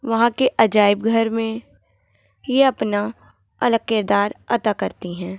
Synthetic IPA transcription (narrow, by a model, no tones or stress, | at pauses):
ʋɐɦãkeʔɐd͡ʒaːɪbɡʱɐɾmẽ | jeɐpna | ɐləɡ̚kɪɾd̪aːɾɐt̪akɐɾt̪iɦɛ̃ː